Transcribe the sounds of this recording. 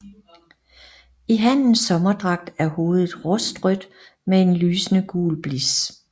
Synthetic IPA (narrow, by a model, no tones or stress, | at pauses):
iɦæn̰n̩sɒ̽mɐd̥ʁɑ̈ɡ̥̚d̥æɐho̝ːð̞̩ˠð̩ˠʁɔsd̥ʁœd̥ | mee̝nlyːsənəɡ̥ṵːlb̥lis